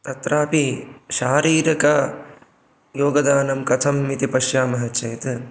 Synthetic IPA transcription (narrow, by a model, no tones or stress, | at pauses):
t̪ɐt̪ɾaːpiʃaːɾiːɾɐkɐ | joːɡɐd̪aːnɐmkɐt̪ʰɐmːit̪ipɐʃjaːmɐɦɐt͡ʃɐjt̪